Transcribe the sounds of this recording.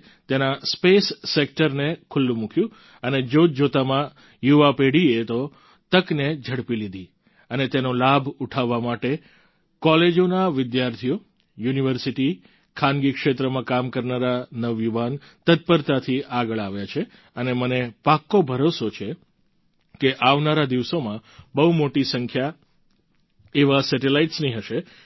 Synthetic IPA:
t̪enaspesːek̚ʈəɾnekʰʊlːũmũkjũ | əned͡ʒod͡ʒot̪amã | juʋapeɽiet̪o | t̪əkned͡ʒʱəɽpilid̪ʱi | ənet̪enolabʱuʈʰaʋːamaʈe | kɔled͡ʒonaʋɪd̪jaɾt̪ʰijo | juniʋəɾsiʈi | kʰanɡikʃet̪ɾəmãkamkəɾnaɾanəʋjuʋan | t̪ət̪̚pəɾt̪at̪ʰiʔaɡəɭaʋjat͡ʃʰe | ənemənepakːobʱəɾosot͡ʃʰe | keʔaʋnaɾad̪iʋsomãbəɦumoʈisəŋkʰja | eʋasɛʈelaiʈsniɦəʃe

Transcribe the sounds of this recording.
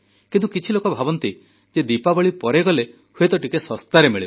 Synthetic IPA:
kint̪ukit͡ʃʰilokɔbʱabɔnt̪i | d͡ʒed̪ipabɔɭipɔɾeɡɔle | huet̪ɔʈikesɔst̪aɾemeɭib

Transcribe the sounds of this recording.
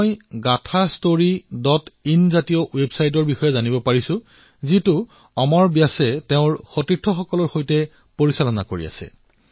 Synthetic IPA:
jɡatʰastoɹidɔtinzatijɔwebsajt̬ɔɹbixɔjɛzanibɔpaɹisʊ̃ | zitʊ | ɔmɔɹbjasɛteʊ̃ɹxotitʰːɔxɔkɔlɔɹxojtɛ | poɹisalɔna̰koɹḭa̰sɛ̰

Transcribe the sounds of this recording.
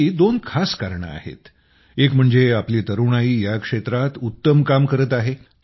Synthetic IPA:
id̪onkʰaskaɾɳə̰a̰hḛt̪ | ekm̤əɳd͡zeapliːt̪əɾuɳaiːjakʂet̪ɾat̪ut̪ːəmkamkəɾət̪aɦe

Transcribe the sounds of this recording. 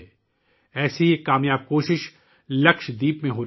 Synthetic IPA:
ɛːsiekaːmjaːb̚koːʃɪʃ | lɐkʃd̪iːpmẽɦoː

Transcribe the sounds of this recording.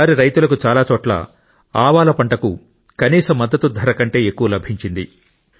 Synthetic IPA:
aːɾiɾɐjt̪ulɐkut͡ʃaːlaːt͡ʃɔːʈla̰ː | aːʋaːlɐpɐɳʈɐku | kɐniːsɐmːɐd̪ːɐt̪ud̪ʱɐɾɐkɐɳʈe̞ːekːuʋɐlɐbʱiɲt͡ʃind̪ḭ

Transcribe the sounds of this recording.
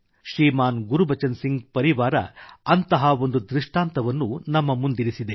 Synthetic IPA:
ʃɾiːmaːnɡuɾubʱɐt͡ʃɐnsiŋɡpɐɾiʋaːɾɐ̰ɐnt̪ɐɦɐo̞nd̪ud̪ɾiʂʈaːnt̪ɐʋɐnːunɐmːɐmund̪iɾisid̪e

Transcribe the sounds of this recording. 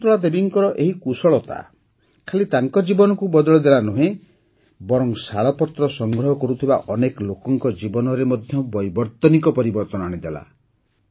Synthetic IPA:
t̪ɾɔɭad̪ebiŋkɔɾɔʔeɦikusɔɭɔt̪a̰ | kʰalit̪aŋkɔd͡ʒibɔnɔkubɔd̪ɔɭɔd̪elanuɦẽ | bɔɾɔŋsaɭɔpɔt̪ɾɔsɔŋɡɾɔɦɔkɔɾut̪ʰibaʔɔnekɔlokɔŋkɔd͡ʒibɔnɔɾemɔd̪ʱjɔbɔjbɔɾt̪ɔnikɔpɔɾibɔɾt̪ɔnaɽ̃id̪ela̰

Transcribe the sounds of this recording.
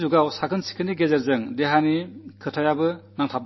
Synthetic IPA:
zuɡawsaɡɯnsi̥kʰɯniɡezeɾzɯŋdeɦanikʰɯtʰajabɯnaŋtʰap̚

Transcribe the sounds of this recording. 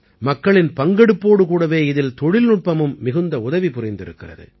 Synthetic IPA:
mɐkːɐɭɪnpɐŋɡɛɽɯpːoːɽɯkuːɽɐʋeːɪðɪlt̪ɔɻɪlnʊʈ̚pɐmɯmːɪɣɯnd̪ɐʊðɐʋipʊrɪnd̪ɪɾɯkːɪrɐ̰ðɯ̰

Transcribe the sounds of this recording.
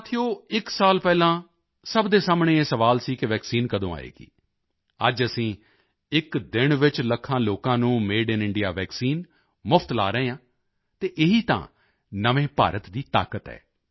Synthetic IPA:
t̪ʰijoːɪksaːlpɛːlãː | səbd̪eːsaːmɳeːeːsəʋaːlsiːkɪʋɛːksiːnkəd̪õːa̰ːḛːɡḭː | ə̰d͡ʒəsĩː | ɪkd̪ɪɳʋɪt͡ʃləkʰːãːloːkãːnũːmeːɖɪnɪɳɖijaːʋɛːksiːn | mʊpʰt̪la̰ːɾəɦẽːãː | t̪eːʔɪɦiːt̪ã̰ː | nəʋẽːpa̰ːɾət̪d̪iːt̪a̰ːkət̪ɛ̰ː

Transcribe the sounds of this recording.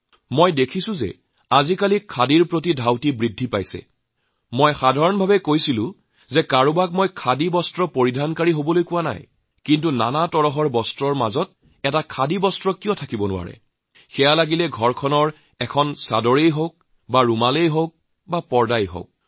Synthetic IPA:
mojdekʰisʊ̃zɛ̰ | azikalikʰadiɹpɹotidʱawtibɹidʱːipa̰jsɛ̰ | mojxadʱaɹɔnbʱabɛkojsilʊ̰̃ | zɛkaɹubak̚mɔjkʰadibɔstɹɔpoɹidʱankaɹiɦobɔlojkʊwana̰j | kintuna̰natɔɹɔɦɔɹbɔstɹɔɹma̰zɔt̚ | ɛtakʰadibɔstɹɔkijɔtʰakibɔnʊwa̰ɹɛ̰ | xɛjalaɡilɛɡʱɔɹkʰɔnɔɹ | ɛkʰɔnsa̰dɔɹejɦok̚ | baɹumalejɦok̚ | bapɔɹdajɦo̰k̚

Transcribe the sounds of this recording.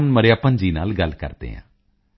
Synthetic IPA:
nməɾjaːpənd͡ʒiːnaːlɡəlːkə̰ɾd̪ḛːɦã̰ː

